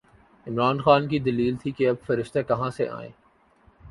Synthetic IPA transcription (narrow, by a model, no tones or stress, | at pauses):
ɪmɾaːnxaːnkid̪ɐliːlt̪ʰikeɐbfɐɾɪʃt̪ekɐɦãsḛʔa̰ːḛ̃ː